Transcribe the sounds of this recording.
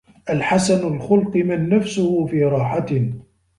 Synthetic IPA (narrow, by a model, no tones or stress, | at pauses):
ʔalħasanʊlxʊlqɨmanːafsʊhʊfiːɾˤɑːħatɪ